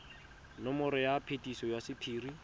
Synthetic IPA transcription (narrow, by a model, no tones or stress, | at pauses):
nɔmʊɾɪjapʰetʼisɔjasɪpʰiːri